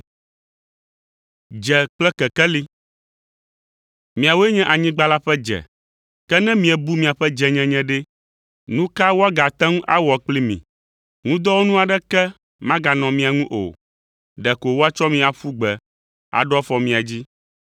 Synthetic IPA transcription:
d͡ʒɛ˨k͡plɛ˦kɛ˨kɛ˦li˦ | mĩ˨a˨wo˦e˦ɲɛ̃˦ʔa˨ɲĩ˦ɡ͡ba˦la˦ɸɛ˦d͡ʒɛ̰˨ | kɛ˦nɛ̃˦mĩ˦ɛ˨bu˦mĩ˨a˨ɸɛ˦d͡ʒɛ˨ɲɛ̃˦ɲɛ̃˦ɖɛ˦ | nũ˦ka˦wo˦a˦ɡa˨t̪ɛ̃˦ŋ˦ʔa˦wɔ˨k͡pli˦mḭ̃˨ | ŋũ˦d̪ɔ˦wo˦nũ˦a˨ɖɛ˦kɛ˦ | mã˦ɡa˨nɔ̃˨mĩ˨a˨ŋũ˦ʔo̰˨ | ɖɛ˨ko˨wo˦a˦t͡ʃɔ˦mĩ˦a˨ɸu˦ɡ͡bɛ˨ | a̰˨ɖɔ˦fɔ˨mĩ˨a˨d͡ʑi˦

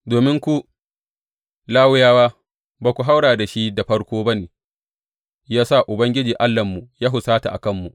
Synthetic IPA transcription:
doː˨mɪ˦ŋkʷu˦ | laː˦wʊ˦jaː˦waː˦ | baː˨kʷu˨ɦa˦wɽaː˨da˨ʃi˦da˨ɸɐ˦ɽkʷoː˦bɐ˦neː˨ | jaː˦sa˦˨ʔʊ˨bɐ˦ŋɡʲɪ˦d͡ʒiː˨ʔa˦lːɐ˨mːu˨jaː˦ɦʊ˨saː˦ta˨ʔa̰˨kɐ˦˨mːu˨

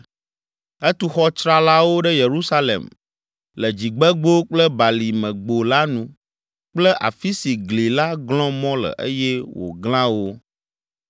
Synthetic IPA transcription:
ɛ˦t̪u˦xɔ˦t͡ʃɾa˦la˦wo˦ɖɛ˦je˨ɾu˦sa˦lḛ˨m | lə˨d͡ʑi˨ɡ͡bɛ˦ɡ͡bo˦k͡plə˦ba˨li˨mɛ̃˨ɡ͡bo˨la˦nũ˦ | k͡plə˦ʔa̰˨fi˦si˨ɡli˨la˦ɡlɔ̃˦mɔ̃˦lə̰˨ʔe˦jɛ˦wo̰˨ɡl̃ã˦wo˦

